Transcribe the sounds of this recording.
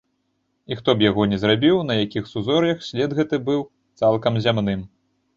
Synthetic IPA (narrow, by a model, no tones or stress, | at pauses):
ixt̪ɔbjaɣɔnʲɛzrabʲiwnɐjakʲixsuzɔɾjɐxsʲlʲɛd̪ɣɛt̪ɨbɨw | t̪salˠkɐmzʲamnɨm